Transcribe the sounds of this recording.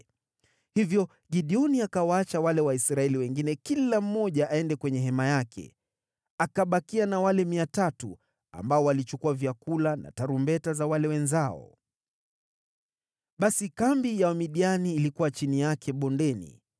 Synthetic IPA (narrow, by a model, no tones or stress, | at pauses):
hivjɔ | ɡiɗiɔniakawaat͡ʃawalɛwaisɾaɛliwɛŋɡinɛkilam̩mɔʄaʔːɛndɛkwɛɲɛɦɛmajakʰɛ̰ | akaɓakianawalɛmiatatu | a̰mbaɔwalit͡ʃukuavjakulana̰taɾumbɛtazawalɛwɛnzaɔ̰ | ɓasikambijaamiɗianiːlikuwat͡ʃinijakʰɛɓɔndɛnḭ